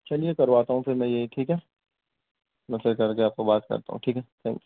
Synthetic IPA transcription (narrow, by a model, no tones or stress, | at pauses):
t͡ʃɐliekɐɾʋaːt̪aɦũpʰɪɾmɛ̃jeɦiʈʰiːkɦɛ | nɐsəɾkɐɾkeaːp̚kobaːt̪kɐ̰ɾt̪a̰ɦṵ̃ʈʰiːkɦɛt̪ʰɛ̃ːŋks